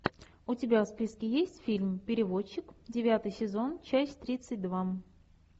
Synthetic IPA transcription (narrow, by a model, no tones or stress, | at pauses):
ʊtʲɪbʲafspʲiskʲɪjesʲtʲfʲilʲmpʲɪɾʲɪvot͡ɕːɪkdʲɪvʲat̪ɨjsʲɪzo̞nt͡ɕæsʲtʲt̪ɾʲit̪sɨt̚ʲd̪va